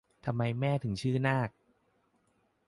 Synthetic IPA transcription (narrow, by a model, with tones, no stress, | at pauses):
t̪ʰa˧mːa˧jmɛː˥˩t̪ʰɯ˩˦ŋt͡ɕʰɯː˥˩naː˥˩k̚